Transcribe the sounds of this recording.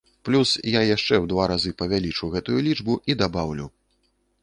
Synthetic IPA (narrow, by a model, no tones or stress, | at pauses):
plʲusjajaʂt͡ʂɛwd̪vaɾazɨpɐvʲalʲit͡ʂuwɣɛt̪ujulʲid͡ʐbuʔid̪abawlʲṵ